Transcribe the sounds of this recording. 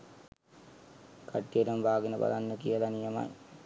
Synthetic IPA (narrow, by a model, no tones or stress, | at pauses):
kaʈːijəɾəmbʱaːɡənəba̰lanːəkijəlanijəma̰j